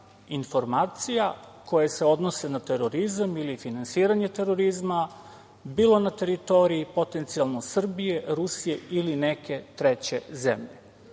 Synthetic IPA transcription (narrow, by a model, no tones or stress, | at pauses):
info̞ɾmaːt̪sijakʰo̞jeseo̞d̪no̞se̞nat̪eɾoɾizamilifinansiːɾaɲe̞t̪e̞ɾo̞ɾizma | biːlˠo̞nat̪e̞ɾit̪o̞ɾiipo̞t̪e̞nt̪sialˠnosr̩bije̞ɾusije̞iline̞ke̞t̪ɾet͡ɕe̞̰zḛmʎe